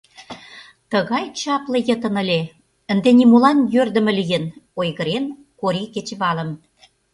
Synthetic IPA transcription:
t̪ə̆ɣɑjt͡ɕɑplɤ̆jə̆t̪ə̆nə̆lʲe | ə̆nd̪enimolɑnjørd̪ə̆mə̆lijə̆nojɣə̆ɾen | koɾiket͡ɕβɑlə̆m

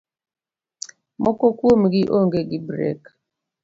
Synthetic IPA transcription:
mɔkɔkwomɡiʔoŋɡeɡibɾɛ̰k

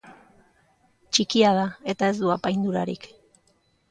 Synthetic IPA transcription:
t͡ʃikiað̞ae̞t̪ae̞zd̪uapajnd̪uɾaɾḭk

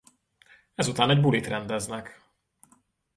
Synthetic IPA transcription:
ɛzut̪aːnɛɟbulit̪rɛnd̪ɛznɛk

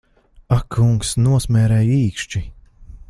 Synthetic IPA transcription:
akʰːuŋksnuɔsmʲɛːɾɛjiːkʃt͡ʃi

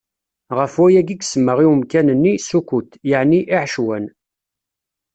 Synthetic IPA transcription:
ʁəfwæjæɡiɡsəmːəʁiwəmkænənːisukʷut̪jəʕniʔiʕʃwæn

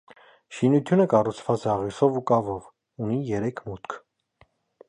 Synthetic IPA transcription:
ʃinut̪ʰjunəkɑrut͡sʰvɑt͡sɛɑʁisɔvukɑvɔv | unijɛɾɛkʰmut̪kʰ

